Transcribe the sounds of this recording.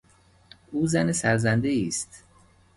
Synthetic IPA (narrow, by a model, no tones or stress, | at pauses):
ʔuːzænesæɾzænd̪eiːst̪